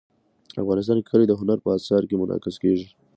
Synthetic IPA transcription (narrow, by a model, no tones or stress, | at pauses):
afɣɑnɪs̬t̪ɑnkʰəled̪əɦʊnaɾpəasɑɾkemʊnʔɑ̰kɪzkeʒi